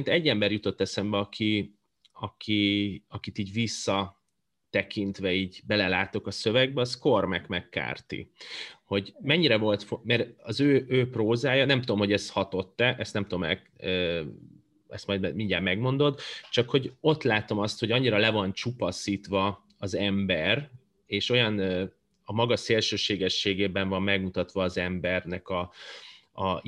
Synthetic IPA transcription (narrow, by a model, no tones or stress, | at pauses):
int̪ɛɟːɛmbɛrjut̪o̞t̪ːɛsɛmbɛɒkʰi | ɒkʰiɒkit̪iːɟʋisːɒ | t̪ɛkint̪ʋɛiːɟbɛlɛlaːt̪o̞kɒsø̞vɛɡ̚bɛɒskormɛkmɛkːa̰ːrt̪ḭho̞ɟmɛɲːiɾɛvo̞lt̪fomɛɾɒzøːøːproːzaːjɒnɛmt̪ud̪o̞mho̞ɟɛst̪hɒt̪o̞t̪ːɛʔɛst̪nɛmt̪uomɛ̰ | ø | ɛst̪mɒjd̪mɛmiɲɟaːmɛɡmo̞nd̪o̞d̪t͡ʃɒkho̞ɟo̞t̪laːt̪o̞mɒst̪hoɟɒɲːiɾɒlɛvɒnt͡ʃupɒsiːt̪ʋɒː | zɛmbɛr | eːʃo̞jɒnø | ɒmɒɡɒseːlʃøːʃeːɡɛʃːeːɡeːbɛɱvɒmːɛɡmut̪ɒt̪ʋɒːzɛmbɛrnɛkɒ | ɒ